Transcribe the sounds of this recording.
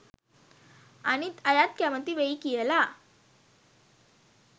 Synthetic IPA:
aɽ̃it̪ajat̪kjamət̪ːiːʋeikijɛla

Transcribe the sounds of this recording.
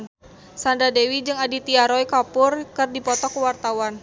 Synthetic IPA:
n | sandadewid͡ʒɨŋadit̪iaɾɔjkapʊrkɨrdipɔt̪ɔkəwart̪awan

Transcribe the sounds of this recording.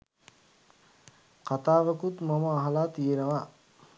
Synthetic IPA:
qat̪aːʋəkut̪maməːɦalaːt̪ijenəʋa

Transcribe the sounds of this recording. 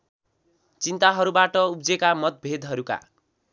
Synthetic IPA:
t͡sint̪aɦʌɾubaʈʌub̚d͡zekamʌt̪̚bʱed̪ɦʌɾuka̰

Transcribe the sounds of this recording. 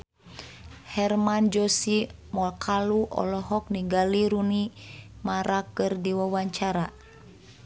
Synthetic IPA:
hɛrmand͡ʒɔsimɔlkʰaluʔɔ̰lɔɦɔk̚niŋɡaliɾunimaɾakɨrdiwawaɲt͡ʃaɾa

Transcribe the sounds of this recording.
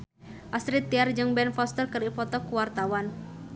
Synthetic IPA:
ʔast̪ɾit̪ːiard͡ʒɨŋbɛnfɔst̪ərkɨripɔt̪ɔkuwart̪awan

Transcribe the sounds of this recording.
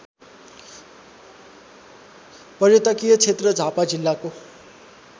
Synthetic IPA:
pʌrjʌt̪ʌkijʌt͡sʰet̪rʌd͡zʱapad͡zilːako

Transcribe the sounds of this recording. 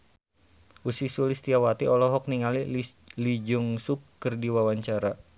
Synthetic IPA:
ʔusisulist̪iawat̪iɔlɔɦɔk̚niŋalilid͡ʒuŋsukːərdiwawaɲt͡ʃaɾa

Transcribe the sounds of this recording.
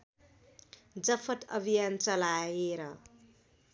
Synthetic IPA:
d͡zʌpʰʌt̪ʌbʱijant͡sʌlajeɾʌ

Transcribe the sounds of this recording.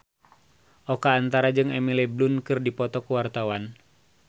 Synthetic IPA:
ʔɔkaːnt̪aɾad͡ʒɨŋɛmilɛblunkɨrdipɔt̪ɔkuwart̪awan

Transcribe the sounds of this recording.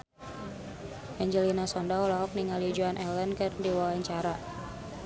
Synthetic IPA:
ʔɛɲd͡ʒəlinasɔndaɔlaɔk̚niŋalid͡ʒuanʔɛlənkɨrdiwawaɲt͡ʃaɾa

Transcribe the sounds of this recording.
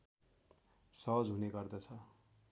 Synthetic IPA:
sʌɦʌd͡zɦuneɡʌrd̪ʌt͡sʰʌ

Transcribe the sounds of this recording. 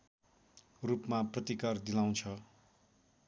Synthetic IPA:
rupmaprʌt̪ikard̪ilaw̃t͡sʰʌ

